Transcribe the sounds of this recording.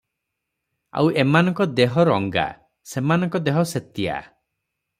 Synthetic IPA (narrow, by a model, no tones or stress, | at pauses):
a̰wʔemanɔŋkɔd̪eɦɔɾɔŋɡa̰ | semanɔŋkɔd̪eɦɔset̪ija̰